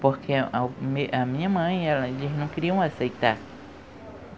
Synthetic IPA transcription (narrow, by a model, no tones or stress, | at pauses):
poɾkʰeameʔɐmĩɲɐmɐ̃j̃ɛlɐeliznɐ̃w̃keɾiɐ̃w̃asejt̪aɾ